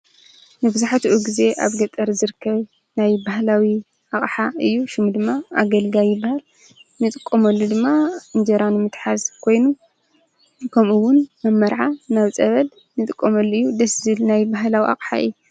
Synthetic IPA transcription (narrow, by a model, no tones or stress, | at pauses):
nɨbɨzaħat̪uʔuɡize̞ʔa̰βɡɐt̪ʼɐɾzɨɾɨkʰːɐβ | najbahlawi | ʔaχʼħaɨjːuʃɨmd̪ɨmːaa̰ɡɐlɡajɪbahal | nɨt̪ʼɨkʼːomɐlːud̪ɨmːaɨnd͡ʒɐɾanɨmɨt̪ħazkʰo̞jnu | kʰɐmuwʊnmɐmːɐɾʕanaβt͡sʼɐβɐl | nɨt̪ʼɨkʼːomɐlːuɨjːud̪ɐszɨlnajbaɦlawiʔa̰χʼħa̰ɨ̰jːu